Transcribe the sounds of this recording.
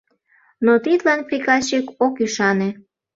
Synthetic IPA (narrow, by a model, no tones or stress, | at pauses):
not̪it̪lɑnpɾikɑɕikokyʃɑne